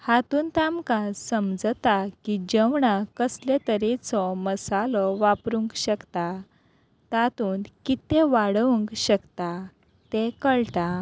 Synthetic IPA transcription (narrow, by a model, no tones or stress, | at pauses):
hat̪uːnt̪amkãsəmd͡zt̪akid͡ʑeʋɳakəslet̪əɾet͡sɔməsalɔʋapɾuŋkɕəkt̪a | t̪at̪uːnkit̪ẽʋaɽʋuŋkɕəkt̪a | t̪ẽkəɭt̪a